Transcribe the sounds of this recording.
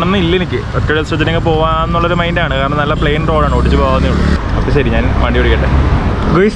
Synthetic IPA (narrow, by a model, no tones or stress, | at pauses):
ɳɐnːɨilːɐenikʲːɨoʈːɐɽelsɐt̪̬ːineŋɡɐpo̞ːʋaːnːuɭːɐoɾumɐjndaːɳɨkaːɾɐɳɐmnɐlːɐpɭejɐnro̞ːɭaːɳɨoʈːit͡ɕːɨpoːɣaʋɐnːiuɭːuɐpːɐɕɐɾiɲaːnʋɐɳɖijoɽikʲːeɳʈːe | ɡojs